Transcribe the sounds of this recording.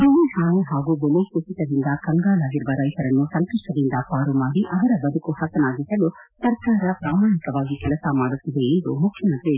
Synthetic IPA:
d̪oːʋeɦaːneɦaːɡubolejkut͡ʃit̪ɐd̪ind̪ɐkɐŋɡaːlɐɡiɾbɐɾɐːjt̪ɐɾɐnːusɐnt̪uʂʈɐd̪ind̪ɐpaːɾumaːɽiʔɐʋɐɾɐbɐd̪ʱukuhɐsɐnaːɡ̪isɐlu | t̪ɐɾkaːɾɐpɾaːmaːɳikɐʋaːɡikɐlɐsamaːɽut̪ːid̪eiːd̪umukʰːjɐmɐnt̪ɾi

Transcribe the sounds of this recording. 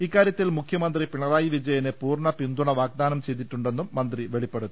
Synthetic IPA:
ikːaːɾjɐt̪ːilmukʰjɐmɐnd̪ripiɳɐraːjiʋid͡ʑɐjɐnepuːrɳɐpind̪uɳɐʋaːɡ̚d̪aːnɐmt͡ɕe̞jd̪iʈːuɳɖenːumːɐnd̪riʋe̞ɭipːe̞ɽut̪ːu

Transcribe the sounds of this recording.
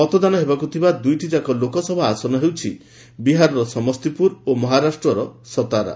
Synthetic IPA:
ɔt̪ɔd̪anɔɦebakut̪ʰibad̪ujʈid͡ʒakɔlokɔsɔbʱaasɔnɔɦewt͡ʃʰi | biɦaɾɔɾɔsɔmɔst̪ipuɾomɔɦaɾasʈɾɔɾɔsɔt̪aɾa̰

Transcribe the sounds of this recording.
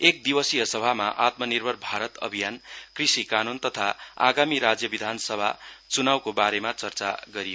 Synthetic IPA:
ek̚d̪ibʌsijʌsʌbʱamaʔat̪mʌnirbʱʌrbʱaɾʌt̪ʌ̰bʱijankrisikanunt̪ʌt̪ʰaa̰ɡamiɾad͡zjʌbid̪ʱansʌbʱat͡sunawkobaɾemat͡sʌrt͡saɡʌɾijo

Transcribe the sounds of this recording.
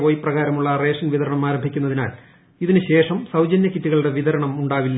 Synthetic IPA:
oːjprɐɣaːɾɐmuɭːɐre̞ːʂɐnʋiðɐɾɐɳɐmaːɾɐmbʱikʲːunːɐðina̰ːl | iðinɨɕe̞ːʂɐmsɐwd͡ʑɐnjɐkitːiɣɐɭɽe̞ʋiðɐɾɐɳɐmuɳɖaːʋilːɐ

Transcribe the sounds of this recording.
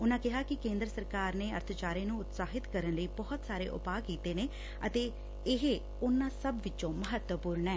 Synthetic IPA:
ʊnãːkɪɦaːkɪkẽːnd̪ɾəsəɾkaːɾneːəɾt̪ʰt͡ʃaːɾẽːnũːʊt̪saːɦɪt̪kəɾənləiːbɔːt̪saːɾḛːʔʊ̰paːkiːt̪eːneː | ət̪eː | ɪɦe | ʊnːãːsəbʋɪt͡ʃõːməɦət̪wəpuːɾɳɛː

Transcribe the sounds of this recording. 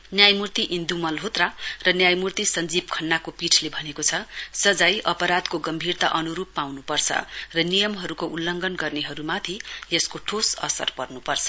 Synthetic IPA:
njajmurt̪iʔind̪umʌlɦot̪rarʌnjajmurt̪isʌnd͡zib̚kʰʌnːakopiʈʰlebʱʌnekot͡sʰʌsʌd͡zajʔʌpʌɾad̪koɡʌmbʱirt̪aʔʌnuɾupːawnupʌrt͡sʰʌ̰rʌnijʌmɦʌɾukoʔulːʌŋɡʌnɡʌrneɦʌɾumat̪ʰieskoʈʰosʌ̰sʌ̰rpʌrnupʌrt͡sʰʌ̥

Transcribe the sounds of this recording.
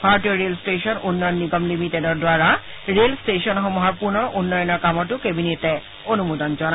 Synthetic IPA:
bʱaɹtiɔɹelsʈeʃɔnʔunːɔjɔnːiɡɔmlimitedɔɹdwaɹa | ɹelsʈeʃɔnxɔmɔɦaɹpuɹnɔɹʔunːɔjɔnɔɹkamɔtukebinetɛ | onumod̪ɔnd͡ʑɔna

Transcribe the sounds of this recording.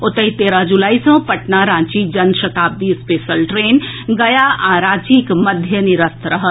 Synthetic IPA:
ot̪əit̪eɾə̃d͡ʒulaisə̃pəʈnaɾãt͡ʃid͡ʒənʃət̪ab̚d̪ispesəlʈɾenɡəjaaɾad͡ʒikməd̪ʱjəniɾəst̪ʰɾəɦə

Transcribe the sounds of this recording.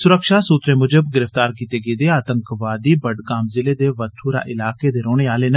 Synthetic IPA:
sʊɾəkʃaːsuːt̪ɾẽːmʊd͡ʒəbɡɪɾəft̪aːɾkiːt̪eːɡeːd̪eːaːt̪ə̃ŋkʋaːd̪iːbəɖɡaːmzɪleːd̪eːʋət̪ʰːuːɾa̰ːʔɪlaːkeːd̪eːɾoːɽ̃eːaːleːnə

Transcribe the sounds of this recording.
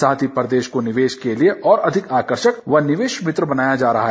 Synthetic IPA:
saːt̪ʰipɾɐd̪eːʃkonɪʋeːʃkelieʔɔːɾɐd̪ʱɪkaːkəɾʃəkʋɐnɪʋeːʃmɪt̪ɾəbɐnaːjad͡ʒaːɾɐɦaɦɛ

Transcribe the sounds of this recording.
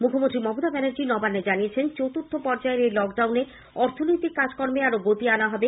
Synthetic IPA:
mukʰomõnt̪ɾimɔbod̪abɛneɾd͡ʑinɔbanːed͡ʑaniet͡ɕʰent͡ɕowt̪ut̪ʰːopɔɾd͡ʑaeɾelɔkɖawne | ɔɾt̪ʰonojt̪ikːad͡ʑkɔɾmeaɾoɡot̪ianaɦɔbe

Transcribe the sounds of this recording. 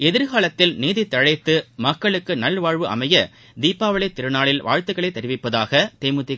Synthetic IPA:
ɛðɪɾɣaːlɐt̪ːɪlniːðɪt̪ːɐɻɐɪt̪ːɯmɐkːɐɭɯkːɯnɐlʋaːɻʋɯʔɐ̰mɐjɐ | d̪iːpːaːʋɐɭɐɪt̪ːɪɾɯnaːɭɪlʋa̰ːɻt̪ɯɣɐɭɐɪt̪ːɛɾɪʋɪpːɐðaːɣɐt̪eːmɯt̪ːɪ

